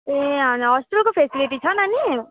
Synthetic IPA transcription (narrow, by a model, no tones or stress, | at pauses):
eɦãɦɔːsʈɾəlkopʰeːsiliʈit͡ʃʰanani